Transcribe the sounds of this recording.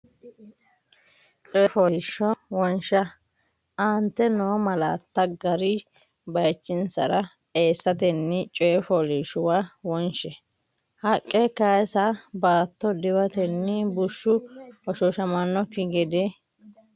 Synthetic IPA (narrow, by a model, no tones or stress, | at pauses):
t͡ʃʼɔjɛfɔlːʃɔwɔnʃɐ | ʔɐnt̪ːɛnoːmɐlaːt̪ːɐɡɐɾɪ | bɐjt͡ʃːɪnsɐ̰ɾɐ | eːsːɐt̪ɛnːɪt͡ʃʼɔjɛfɔliʃʊwawɔnʃɛ | hɐkʼːɛkasɐbaːt̪ːɔd̪ɪwɐt̪ɛnːɪbʊʃːʊɔʃɔʃɐmɐnːɔkɪɡɛd̪ɛ